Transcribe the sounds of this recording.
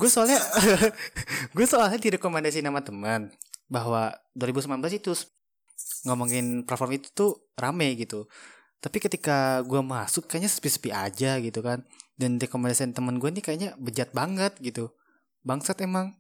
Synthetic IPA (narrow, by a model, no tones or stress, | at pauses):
ɡuasoalɛ | ɡuasoalɲadiɾekomɛndas̬inamat̪əmənbaɦwa | duaɾibusəmlanbəlasit̪us | ŋɡamaŋinpərfɔrmit̪u̥t̪u | ramɛjɡit̪u | t̪apikət̪ikaɡuamasʊkːajaɲaspisi̥fiʔad͡ʒaɡit̪ukandanɾekomɛndasiant̪əmənɡuanikajaɲabəd͡ʒat̪̚baŋət̪̚ɡit̪u | baŋsat̪emaŋ